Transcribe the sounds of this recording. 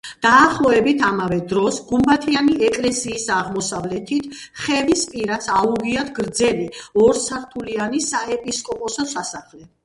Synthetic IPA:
d̪̥aːχlˠɔɛbit̪ʰamavɛd̪ɾɔsɡumbat̪ʰianiɛkʼlɛsiːsaʁmɔsavlɛt̪ʰit̪ʰχɛvispʼiɾat̪sʰauʁiad̪ɡɾd̪zɛliɔɾsaɾt̪ʰulianisaɛpʼiskʼɔpʼɔsɔsasaχlɛ

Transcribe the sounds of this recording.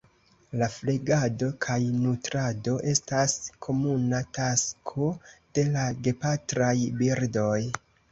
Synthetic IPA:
lafleɡado̞kʰajnutɾado̞ʔe̞staskʰo̞munataskʰo̞d̥e̞laɡe̞patɾajbiɾdo̞j

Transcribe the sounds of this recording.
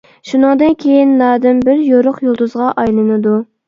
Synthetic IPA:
ʃunɨŋd̪ɨnkʲʰejinːɑːd̪ɪmbɪɾjoɾʊqjolˠd̪uzʁɑʔɑjlˠɨnɨd̪u

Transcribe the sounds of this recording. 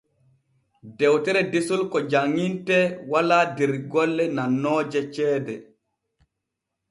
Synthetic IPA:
dɛwtɛɾɛdesulkɔd͡ʒaŋːintɛwaladɛɾɡɔlːɛnanːɔːd͡ʒɛt͡ʃɛːdɛ

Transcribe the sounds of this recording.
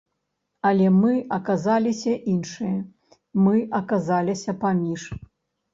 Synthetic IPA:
ɐlʲɛmɨɐkazalʲisʲɐʔinʂɨjɐ | mɨʔɐkazalʲisʲɐpamʲiʂ

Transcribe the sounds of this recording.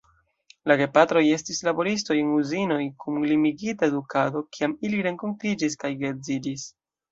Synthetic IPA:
laɡe̞patɾo̞je̞stislabo̞ɾisto̞jenuzino̞jkumlimiɡitaedukado̞kiamiliɾe̞ŋko̞ntid͡ʒiskajɡe̞ɾzidis

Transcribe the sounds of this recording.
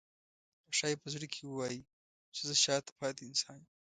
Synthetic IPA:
aʃɑːjepəzuɽikʰewəwɑji | t͡ʃezəʃɑːt̪ḁpʰɑːd̪iɪnsɑːn

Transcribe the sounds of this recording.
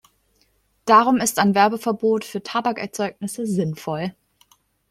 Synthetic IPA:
d̥aːʁʊmɪstaɪnvɛɐbəfɛɐboːtfyːɐtʰabakɛɐt͡sɔʏk̚nɪsəzɪnfɔl

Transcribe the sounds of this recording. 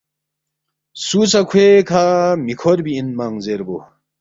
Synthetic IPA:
suːt͡sakʰwekʰamikʰoɾbiːnmaŋzeɾbo

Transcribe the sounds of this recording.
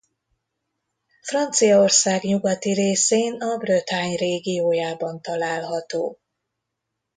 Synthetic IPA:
frɒnt̪sijɒorsaːɡɲuɡɒt̪iɾeːseːnɒbrøt̪haːɲreːɡijoːjaːbɒnt̪ɒlaːlɦɒt̪oː

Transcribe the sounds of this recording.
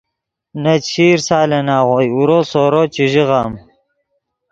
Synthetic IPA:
nɐt͡ɕʰiːɾsaːlenaːʁojuɾoːsoːɾot͡ɕiʑiʁaːm

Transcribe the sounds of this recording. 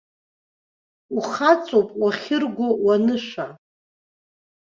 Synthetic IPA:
uχat͡sʼowpʼwaχʲɪrɡʷʊwanɨʃʷa

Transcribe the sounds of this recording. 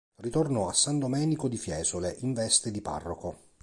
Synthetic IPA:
rit̪ornɔasːand̪omɛːnikod̪ifjɛːzoleʔiɱvɛst̪ed̪ipa̰rːoko

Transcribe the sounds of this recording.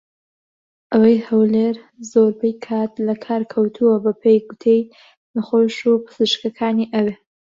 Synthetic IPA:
ʔɐwɐjhɐwleɾ | zoɾbejkʰat̪lɐkʰaːɾkʰɐwt̪ʰuwɐbɐpʰejɡut̪ʰej | nɐχoʃupʰɨ̥z̥ɨʃkɐkʰaːniʔɐwe

